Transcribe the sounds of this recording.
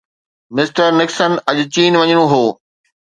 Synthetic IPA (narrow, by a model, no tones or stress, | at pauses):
mɪsʈəɾnɪksənɐʄʊt͡ɕiːnʋɐɲəɽ̃õɦoː